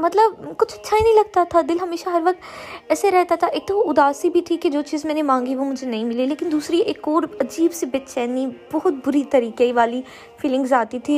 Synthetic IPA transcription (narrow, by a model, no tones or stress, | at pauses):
mɐt̪ləbkʊt͡ʃʰɐtːʃʰainə̃ĩːlɐɡ̚t̪at̪ʰad̪ɪlɦɐmeːʃaɦɐɾʋɐk̚t̪ɛːseɾɛɦt̪at̪ʰaʔɪk̚t̪oʊd̪aːsibʱit̪ʰiked͡ʒoːt͡ʃiːzmɛ̃ːnẽmãːŋɡiʋoːmʊd͡ʒʱenɐɦĩːmɪlileːkɪnd̪uːsɾiʔekɔːɾɐd͡ʒiːbsebɪtːʃɛːniːbɔɦʊt̪̚bʊɾit̪əɾiːkeiʋaːliː | fʰɪlɪ̃ŋɡzaːt̪it̪ʰiː